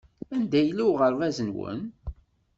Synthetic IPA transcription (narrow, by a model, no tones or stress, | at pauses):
ænd̪æjəlːuwʁəɾvæzənwə̰n